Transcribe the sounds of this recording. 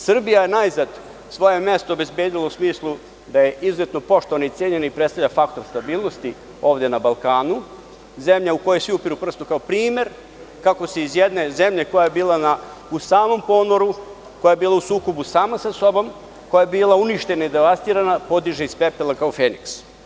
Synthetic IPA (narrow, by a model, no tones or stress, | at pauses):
sr̩bijaje̞najzad̪ | sʋo̞je̞mje̞st̪oobe̞zbeːd̪ilˠousmiːslˠu | d̪aje̞ʔizuzet̪no̞po̞ʃt̪oʋanait̪sjeːɲe̞naipɾet̪st̪avʎʲafakt̪o̞ɾst̪abiːlˠno̞st̪i | o̞ːʋd̪e̞nabalˠkaːnu | ze̞mʎaukojesʋiupiɾupr̩st̪okaopɾiːme̞ɾ | kako̞seizjed̪ne̞ze̞mʎe̞ko̞jajebiːlˠana | usaːmo̞mpo̞noɾu | ko̞jajebiːlˠausuːko̞busaːmasaso̞bo̞m | ko̞jaebiːlˠauniʃt̪e̞naid̪eʋast̪iːɾanapo̞d̪iʒeispepelakaofeːnḭks